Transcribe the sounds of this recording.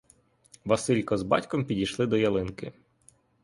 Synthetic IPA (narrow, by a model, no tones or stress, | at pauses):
ʋɐsɪlʲkɔzbɑ̰tʲkɔmpʲidʲijʃlˠɪd̪ɔjɐlˠɪnkɪ